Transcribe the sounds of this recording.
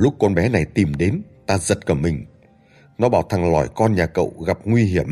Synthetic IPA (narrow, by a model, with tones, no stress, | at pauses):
lʊ˦˥k͡p̚kɔ˧nɓɛ˨˦na˨˩jt̪i˨˩mɗe˨˦nt̪aː˧zə˨˩t̚kəː˧˩mï˨˩ŋ̟ | nɔ˨˦ɓaː˧˩wt̪ʰa˨˩ŋlɔ̰˧˩jkɔ˧nɲaː˨˩kə̰˧˨wɣa˨˩p̚ŋwi˧ɦi˧˩əm